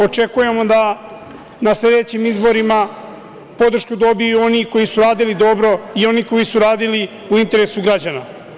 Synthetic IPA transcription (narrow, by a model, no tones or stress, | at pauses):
o̞t͡ʂe̞kuje̞mo̞d̪a | nasle̞d̪e̞t͡ɕimizbo̞ɾima | po̞d̪r̩ʃkud̪o̞bijuo̞niko̞jisuɾaːd̪ilid̪o̞bɾo̞io̞niko̞jisuɾaːd̪ili | uint̪e̞ɾesuɡɾad͡ʑana